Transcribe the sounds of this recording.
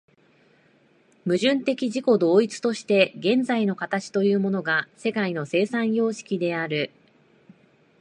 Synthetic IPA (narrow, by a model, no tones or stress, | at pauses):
mɯ̟ʑɨ̃nt̪e̞kʲiʑiko̞d̪o̞ːit͡sɨ̥t̪o̞ɕi̥t̪e̞ɡẽ̞nd͡zaino̞kat̪at͡ɕi̥t̪o̞jɯ̟ːmo̞no̞ɡase̞kaino̞se̞ːsãɰ̃jo̞ːɕi̥kʲid̪e̞aɾɯ̟